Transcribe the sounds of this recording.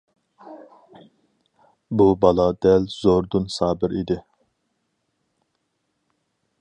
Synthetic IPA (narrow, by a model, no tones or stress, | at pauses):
bubɑlˠɑd̪ɛlzoɾd̪unsɑːbɪɾid̪ɪ